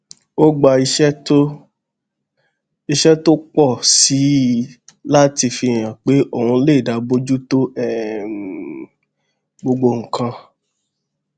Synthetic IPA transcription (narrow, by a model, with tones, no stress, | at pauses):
o˦ɡ͡ba˧i˧ʃɛ˦to˦ | i˧ʃɛ˦to˦k͡pɔ˦˨si˨˦ | la˦ti˧fi˧˨j̃ã˨k͡pe˨˦ʔo˦˨hũ˧le˦˨da˨˧bo˦d͡ʒu˦to˦ɛ˦˨ | ɡ͡bo˧ɡ͡bo˧ŋ̩˨kã˧